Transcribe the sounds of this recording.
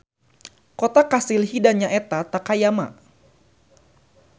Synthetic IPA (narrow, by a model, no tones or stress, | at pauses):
kot̪akasilhidaɲaʔɛt̪at̪akajama̰